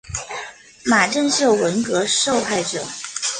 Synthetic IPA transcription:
ma˨˩ʈ͡ʂə˥˧nɕjo˥˩ʊwə˧˥nkɤ˧˥ʂo˥˧ʊxa˥˩ɪʈ͡ʂɤ˨˩˦

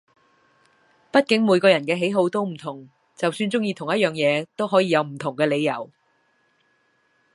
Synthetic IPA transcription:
pɐ˥t̚kɪ˨˥ŋmuː˨˧jkɔː˧jɐ˨˩nkɛː˧ɦe˨˥jɦo˨˧wt̪o˥wm̩˨˩t̪ʰʊ˨˩ŋ | t͡sɐ˨wsyː˧nt͡sʊ˥ŋjiː˧t̪ʰʊ˨˩ŋjɐ˥t̚jœː˨ŋjɛː˨˧t̪o˥wɦɔː˨˥jiː˧jɐ˨˧wm̩˨˩t̪ʰʊ˨˩ŋkɛː˧le˨˧jɐ̰˨˩w

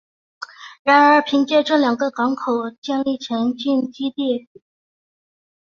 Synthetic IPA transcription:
ɻa˧˥nə˞˧˥pʰi˧˥ŋt͡ɕjɛ˥˧ʈ͡ʂɤ˥˩ljɑ˨˩ŋɡə˧kɑ˧˥ŋkʰo˨˩ʊt͡ɕjɛ˥˧nli˥˩t͡ɕʰjɛ˧˥nt͡ɕy˥˧nt͡ɕi˥t̪i˥˩

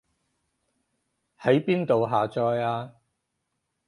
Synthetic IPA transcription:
hɐ˨˥jpiː˥nt̪o˨wɦaː˨t͡ʃɔː˧jaː˧

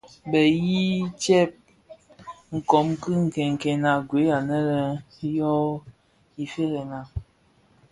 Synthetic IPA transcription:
bɛ˨ji˦t͡ʃɛ˦˨p̚ | ŋ̩˨kɔ˨˦mkɨ˦ŋ̩˨kɛ˨ŋ˨kɛ˨na˨ɡwe˨˦a˨nə˦lə˨ | jɔ˦ | i˨fe˦ɣɛ˨na˨

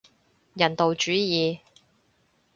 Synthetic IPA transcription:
jɐ˨˩nt̪o˨wt͡ʃyː˨˥jiː˨˧

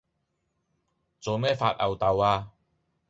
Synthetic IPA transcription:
t͡so˨˧wmɛː˥˩faː˧t̚ʔɐ˨wt̪ɐ˨˧waː˧

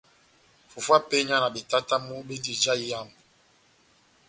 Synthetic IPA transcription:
fu˨fwa˦pe˦ɲa˦na˨be˨ta˦ta˦mu˦be˦di˨d͡ʒa˦ja˦˨m˨

